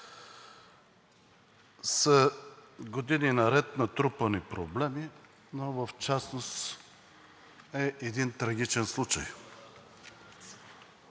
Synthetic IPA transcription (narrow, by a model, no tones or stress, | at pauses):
sə | ɡod̪ininɐɾɛt̪nɐt̪ɾupənipɾoblɛmi | novəft͡ʃasnos | ɛʔɛd̪int̪ɾɐɡʲit͡ʃɛnslˠut͡ʃəj